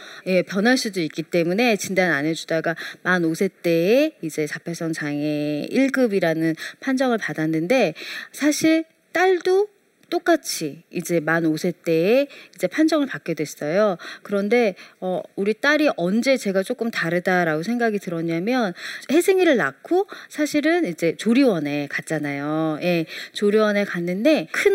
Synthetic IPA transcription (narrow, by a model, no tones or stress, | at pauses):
je̞pjʌnɦaɭs͈udoik͈it͈e̞mune̞t͡ɕindanane̞d͡ʑudaɡamanosʰe̞t͈e̞ːid͡ʑe̞sʰapʰe̞sʰʌŋt͡ɕaŋe̞iɭɡɯbiɾanɯnpʰand͡ʑʌŋɯɭpadanːɯnde̞sʰaɕʰiɭ | t͈aɭdo | t͈ok͈at͡ɕʰiid͡ʑe̞manosʰe̞t͈e̞ːid͡ʑe̞pʰand͡ʑʌŋɯɭpak͈edwe̞s͈ʌjokɯɾʌnde̞ʌuɾit͈aɾiʔʌnd͡ʑe̞t͡ɕe̞ɡat͡ɕ͈ok͈ɯmtaɾɯdaɾaɡos̬ʰe̞ŋɡaɡitɯɾʌɲamjʌnhe̞sʰeŋiɾɯɭnakʰosʰaɕʰiɾɯnid͡ʑe̞t͡ɕoɾiwʌne̞kat̚t͡ɕ͈anajoje̞t͡ɕoɾiwʌne̞kanːɯnde̞kʰɯn